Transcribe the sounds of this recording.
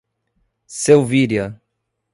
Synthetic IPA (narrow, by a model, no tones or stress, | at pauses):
sewviɾjɐ